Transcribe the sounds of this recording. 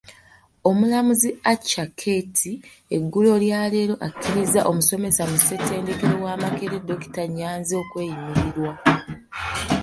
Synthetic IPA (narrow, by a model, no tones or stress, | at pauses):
o̞mulamuziat͡ʃːakʰe̞tʰi | e̞ɡːulo̞ljaːle̞ɾo̞ʔakʰːiɾizaʔo̞muso̞me̞samuse̞tʰe̞ːnde̞keɾowaːmakeɾedːo̞ki̥taɲːaːnzio̞kwe̞ːjimiɾiɾwa